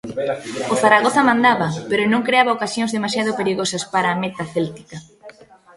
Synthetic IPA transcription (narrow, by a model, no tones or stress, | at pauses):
ʊθaɾaɣ̞oθɐmãnd̪aβɐpeɾʊnõŋkɾeaβɐokasjõŋzðemasjað̞ʊpeɾiɣosɐspaɾaːmet̪aθɛlt̪i̥kɐ